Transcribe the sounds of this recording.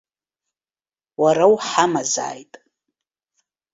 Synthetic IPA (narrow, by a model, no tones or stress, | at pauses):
waɾawħamaza̰ːjtʼ